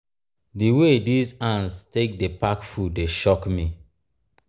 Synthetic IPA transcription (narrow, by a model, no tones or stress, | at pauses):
diwedizãnstek̚depakfudeʃɔkmi